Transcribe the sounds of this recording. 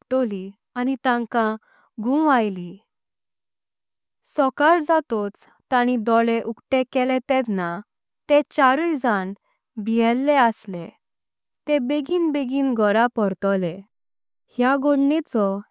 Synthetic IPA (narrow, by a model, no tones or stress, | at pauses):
ʈoli | anit̪ãŋkã | ɡũajli | sɔkaɾd͡zat̪ot͡s | t̪aɽ̃id̪ɔɭeʔukʈẽkɛlɛ̃t̪ɛ̃d̪na | t̪et͡ɕaɾuid͡zan | biɦɛlːeəslẽ | t̪ẽbeɡiːnbeɡiːnɡʱɔɾapɔɾt̪ɔle | hjaɡoɽɳɛt͡sɔ